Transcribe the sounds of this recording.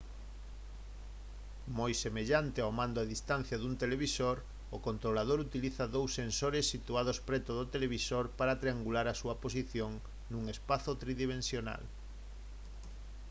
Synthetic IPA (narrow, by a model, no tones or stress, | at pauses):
mojsemeʎant̪eamãnd̪oaðist̪an̟θjaðunt̪eleβisoɾ | ʊkont̪ɾolað̞oɾut̪iliθɐðowsːensoɾesːit̪uað̞ospɾɛt̪oðot̪eleβisoɾpaɾat̪ɾeaŋɡulaɾasuɐpos̬iθjoŋ | nuŋespaθot̪ɾiðiβẽnsjona̰l